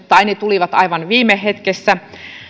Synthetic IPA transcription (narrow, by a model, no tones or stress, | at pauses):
t̪ːɑinit̪uliʋɑt̪ɑiʋɑnʋiːmeɦet̪kesːæ